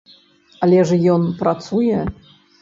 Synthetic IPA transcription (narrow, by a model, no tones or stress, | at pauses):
alʲɛʐjɔnpɾat̪sujɛ